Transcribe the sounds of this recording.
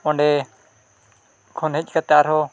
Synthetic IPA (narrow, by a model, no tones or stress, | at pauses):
ʊɳɖeː | kʰoːnɦɪʄkət̪aːɾɦoː